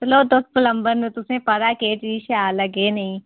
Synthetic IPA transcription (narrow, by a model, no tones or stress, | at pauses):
tloːd̪os̚pʊləmbəɾnut̪ʊsẽːpɐɾaːkeːt͡ʃiːʃaːləɡeːnɐĩː